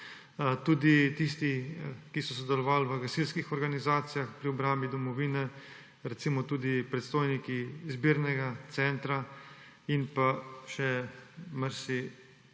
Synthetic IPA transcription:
t̪uːd̪it̪ist̪ikisɔsɔd̪ɛlɔʋaːlʋəɡasilskixɔɾɡanizaːt̪sijaxpɾiɔbɾambid̪ɔmɔʋiːnɛ | ɾɛt̪simɔt̪uːd̪ipɾɛt̪st̪oːjnikiːzbiːɾnɛɡat̪sɛnt̪ɾa | inpaʃɛməɾsi

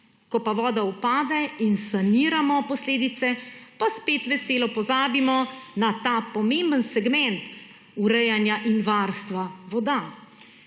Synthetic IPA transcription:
kɔpaʋɔːd̪aupaːd̪ɛinsaniːɾamɔpɔsleːd̪it̪sɛpaspeːt̪ʋɛseːlɔpɔzaːbimɔnat̪aːpɔmẽmbənsɛɡmɛ̃nt̪ | uɾɛjanjaʔinʋaɾst̪ʋaʋɔd̪a

